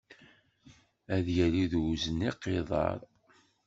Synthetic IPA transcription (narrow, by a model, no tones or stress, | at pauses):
æðjæliðzənːiqːɪðˤɑ̰ɾˤ